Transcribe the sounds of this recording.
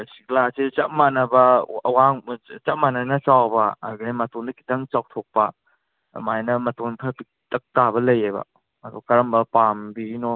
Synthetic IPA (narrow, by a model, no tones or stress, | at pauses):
siklasit͡ʃɐtmanɐbɐɐ̰waŋt͡ʃɐt̚manɐnɐt͡ʃawbɐːɡimɐtondɐki̥tɐŋt͡ʃawtʰok̚pɐ | majnɐmɐtonpʰɐpi | tɐk̚tabɐlɐjebɐ̰ | ɐdɔ̰kɐɾɐmbɐpambinɔ